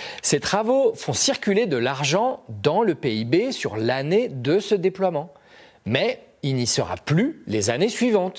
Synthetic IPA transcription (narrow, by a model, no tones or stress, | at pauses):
set̪χavofɔ̃siʁkʲyled̪əlaʁʒɑ̃d̪ɑ̃ləpeibesyʁlaned̪əsəd̪eplwamɑ̃ | mɛ | ilnisəʁa̰plylezanesɥivɑ̃t̪